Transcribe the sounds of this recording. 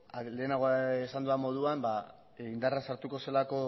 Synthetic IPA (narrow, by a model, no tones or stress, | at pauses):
ale̞ːnaɣoesand̪uamo̞ð̞uamba | ind̪aransaɾt̪uko̞se̞lako̞